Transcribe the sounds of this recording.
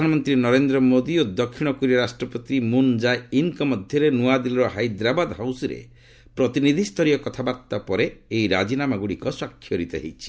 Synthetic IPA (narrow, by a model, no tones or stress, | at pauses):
anɔmɔnt̪ɾinɔɾend̪ɾɔmod̪iod̪ɔkʰːiɽ̃ɔkuɾiɔɾasʈɾɔpɔt̪imund͡ʒajinkɔmɔd̪ʱjɔɾenuad̪ilɔɾɔɦajd̪ɾabad̪ɦawsɾḛ | pɾɔt̪inid̪ʱist̪ʰɔɾijɔkɔt̪ʰabaɾt̪apɔɾeːjɾa̰d͡ʒinamaɡuɽikɔswakʰːjɔɾit̪eɦḛjt͡ʃʰi̥